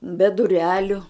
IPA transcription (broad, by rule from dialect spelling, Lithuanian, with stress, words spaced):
bʲɛ dʊˈrʲæːlʲʊ